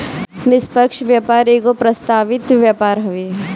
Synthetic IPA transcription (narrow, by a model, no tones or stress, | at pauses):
nɪspəkʃʋjapaːɾeːɡopɾɐst̪aːʋɪt̪ʋjapaːɾɦɐʋe